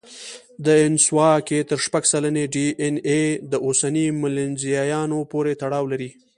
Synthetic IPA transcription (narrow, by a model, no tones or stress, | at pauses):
d̪əɪnswɑket̪əɾʃpaɡsalaneɖiʔened̪əosanimɪlɪnzijɑjɑnopoɾet̪aɽɑwlaɾi